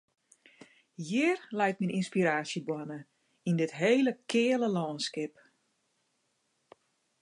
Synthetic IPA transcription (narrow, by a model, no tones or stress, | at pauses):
jɪərlɛjt̚mininspiɾaːsjəbwɔnə | indɪtɦejləkʰɪːələlɔːnskɪp